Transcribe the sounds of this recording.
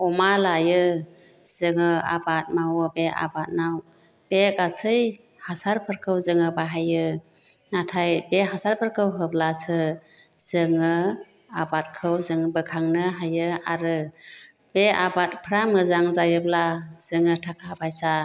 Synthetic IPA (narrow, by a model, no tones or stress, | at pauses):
ɔmalajɯ | z̥ɯŋɯa̰bat̚mawɯbeʔa̰bat̚naw | b̥ekasʰɯj | hasaɾpʰɯɾkʰɯwzɯŋɯbaɦajɯ | natʰajbeɦasaɾpʰɯɾkʰɯwɦɯplasɯz̥ɯŋɯ | abat̚kʰɯwzɯŋbɯkʰaŋnɯɦajɯaɾɯ | b̥eabat̚pʰɾamɯzaŋzajɯblaz̥ɯŋɯtʰakʰapʰajsa